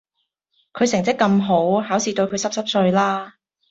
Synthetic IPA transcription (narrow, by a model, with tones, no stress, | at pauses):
kʰɵ˨˧ɥsɪ˨˩ŋt͡sɪ˥kːɐ˧mɦo˨˥wɦaː˨˥wsiː˨t̪ɵ˧ɥkʰɵ˨˧ɥsɐ˥p̚sɐ˥p̚sɵ˧ɥlaː˥